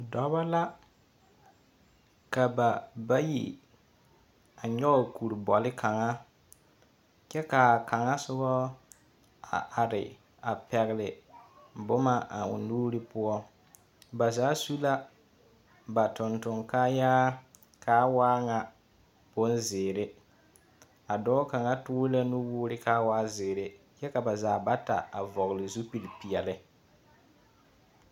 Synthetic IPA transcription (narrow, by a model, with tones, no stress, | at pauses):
dɔ˨βa˦la˦ | ka˨ba˨ba˦jḭ˨ | a˨ɲɔ˦o˨kʰu˨ɾbɔ˨lɪ˦kʰa˨ŋa˦ | t͡ʃɛ˦ka˨ka˨ŋa˦sʊ˦ɣɔ˦ | a̰˨ʔa˨ɾɪ̰˨ | a˨pɛ˨ɣɪ˨lɪ˨ | bʊ˦ma˦ʔa˨ʊ̰˨nuː˦ɾɪ˦pʊ˦ɔ˦ | ba˨zaː˨˦su˦la˦ | ba˨tʊ˨ntʊ˨ŋka˦jaː˦ | kʰaː˦waː˦ŋa˨ | bʊ˦nzɪː˨ɾe˦ | a˨dɔ˦ka˨ŋa˦tʊ˦la˦nu˦wuː˦ɾɪ˦kaː˦waː˦zɪː˨ɾe˦ | jɛ˦ka˨ba˨zaː˨˦ba˦ta̰˨a˨vɔ˨ɣɪ˨lɪ˨zu˦pi˨lpi˨ɛ˨lɪ˦